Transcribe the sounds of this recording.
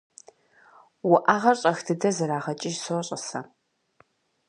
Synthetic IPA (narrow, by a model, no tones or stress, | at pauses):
wʊʔaːʁɐrɕʼɐxdʰɨdɐzɐɾaːʁɐt͡ʃʼɪʒsoɕʼɐsɐ